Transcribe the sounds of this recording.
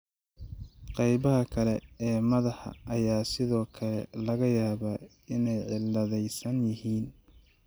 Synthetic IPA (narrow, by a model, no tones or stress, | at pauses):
qɑjβɐɦɐkʰɐlɛɛːmɐðɐħɑ̰ːjaːsɪðɔːkʰɐlɛ̰lɐɣɐjaːβaː | ɪnɛjʕɪlːɐðɛjsɐnjɪhiːn